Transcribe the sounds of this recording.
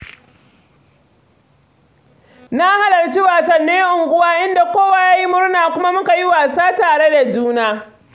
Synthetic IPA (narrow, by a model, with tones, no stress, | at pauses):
na˦ha˦lɐ˨rt͡ʃi˦waː˨sɐ˨nːeː˦ʔʊ˨ŋɡʷʊ˦waː˦ʔɪ˦nda˨kʷoː˦waː˨jaː˦ji˦mʊ˦ɽnaː˨kʷʊ˦ma˦mʊ˦ka˨ji˦waː˨saː˦taː˨ɽe˦da˨d͡ʒuː˦naː˦